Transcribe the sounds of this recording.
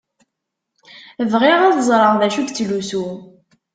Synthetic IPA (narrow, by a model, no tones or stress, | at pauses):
vʁɪʁaðzˤɾˤəʁðæʃuɡt͡sːlusu